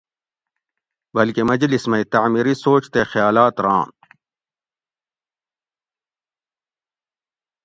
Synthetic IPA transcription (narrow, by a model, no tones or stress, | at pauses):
bɐlkemɐd͡ʑlismɐit̪aʕmiɾisoːt͡ɕt̪exjaːlaːt̪ɾã̰ː